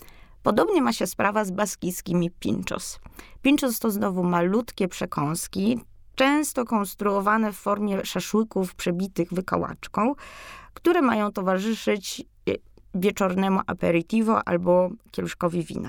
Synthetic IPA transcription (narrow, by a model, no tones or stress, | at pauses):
pɔd̪ɔbɲɛmaɕɛspɾavazbaskʲijskʲimʲipʲḭnt͡ʂɔ̰spʲint͡ʂɔst̪ɔznɔvumalut̪kʲɛpʂɛkʰɔ̃w̃skʲi | t͡ʂɛ̃w̃st̪ɔkɔ̃nst̪ɾuɔvanɛfːɔɾmʲjɛʂaʂwɘkufpʂɛbʲit̪ɘɣvɘka̰wa̰t͡ʂkɔ̃w̃kt̪uɾɛmajɔ̃w̃t̪ɔvaʐɘʂɘt͡ɕ | vʲjɛt͡ʂɔɾnɛmuʔa̰pɛɾit̪ivɔʔa̰lbɔkʲɛluʂkɔvʲivʲḭna̰